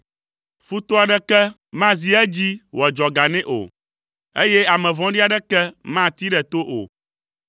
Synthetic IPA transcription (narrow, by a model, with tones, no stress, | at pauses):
fu˦t̪o˦a˨ɖɛ˦kɛ˦ | mã˦zi˨ɛ˦d͡ʑi˦wɔ˨d͡ʒɔ˨ɡa˨nɛ̃˦ʔo̰˨ | e˦jɛ˦a˨mɛ̃˨vɔ̃˦ɖi˦a˨ɖɛ˦kɛ˦mã˦t̪i˦ɖɛ˨t̪o˦ʔo̰˨